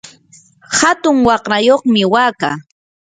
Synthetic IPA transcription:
hat̪ʊŋwɑχɾajoχmɪwaːka̰ː

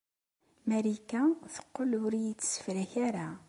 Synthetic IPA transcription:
mæɾikæθə̥qːolʊɾjit͡sːə̥sə̥fɾæçæɾa

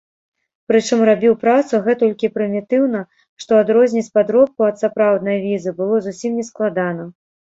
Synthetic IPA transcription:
pɾɨt͡ʂɨmrabʲiwpɾat̪suɣɛt̪ɔlʲkʲipɾɨmʲit̪ɨwnɐ | ʂt̪ɔad̪ɾɔzʲnʲit͡sʲpad̪ɾɔp̚kuɐt̪sapɾawd̪nɐjvʲizɨbɨlˠɔzusʲimnʲɛsklˠad̪anɐ

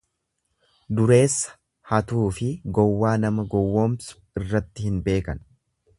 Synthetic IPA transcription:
d̪ʊɾe̞ːsːɐ̥ | hɐt̪uːfɪɡɔwːaːnɐmɐɡɔwːoːmsʊ̥ | ɪrːɐt̪ːɪhɪnbe̞ːkɐn

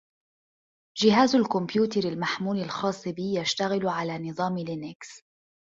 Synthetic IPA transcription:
d͡ʒɪɦaːzalkʊmbjuːt̪ɑɾalmaħmuːlɪlxɑːsˤːɨbɪjaʃt̪aɣɪlʕalaːnɨðˤɑːmlɪnɪks

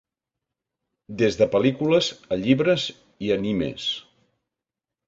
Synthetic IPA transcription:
d̪ezðəpəlikuləzəʎiβɾəz | iənimḛs

